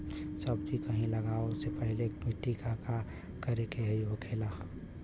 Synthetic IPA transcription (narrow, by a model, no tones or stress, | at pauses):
səbt̪ikəɦĩləɡaːosepəɦɪlebʱiʈːikʰaka | kəɾekeɦeʋəkʰela